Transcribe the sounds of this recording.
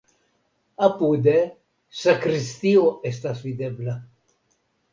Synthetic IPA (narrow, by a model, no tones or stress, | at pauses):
apud̪e | sakɾist̪ioest̪asvid̪ebla